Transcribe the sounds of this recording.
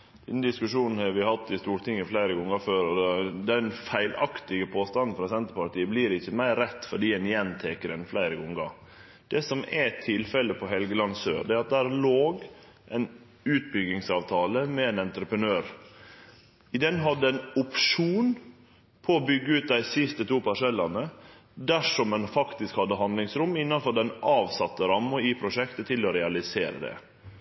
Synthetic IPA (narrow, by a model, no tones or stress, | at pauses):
d̪ɛd̪nd̪ɪskʉʂuːnn̩hɑɾʋɪhɑt̪ːɪst̪uːɾt̪ʰɪŋːɪflæɪɾəɡɔŋːəføːɾɔd̪d̪ɛnfæɪlɑ̰kt̪ɪɡəpʰoːst̪ɑnːn̩fɾɑːsɛnt̪əɾpɑʈ̪iːəbliːɾɪçːəmæɪɾːɛt̪ːfɔɖiːɛnjɛnt̪ʰeːkəɾɛnflæɪɾəɡɔŋɡɑ | d̪̥ɛsɔmɛt̪ʰɪlfɛləpʰɔɦɛlɡəlɑnsø̰ːɖɛːɾɑt̪̚d̪æːɾloːɡ | ʔɛɪn | ʉːt̪̚bʏɡɪŋsɑːʋt̪ʰɑːləmɛeːnɛnt̪ɾəpɾənøːɾ | ɪd̪ɛnːɦɑd̪ːəænʊpʂuːn | pʰɔːbʏɡːəʉːt̪̚d̪æɪsɪst̪ət̪ʰuːpʰɑʂɛlːɑnə | d̪æʂɔmːɛnfɑkt̪ɪskhɑd̪ːəɦɑnd̪lɪŋsɾʊmɪnːɑnfɔd̪ɛnʔɑːʋsɑt̪ːəɾɑmːʊipʰɾʊʂɛkt̪ət̪ʰɪlɔɾɛɑlɪseːɾə̰d̪ɛ̰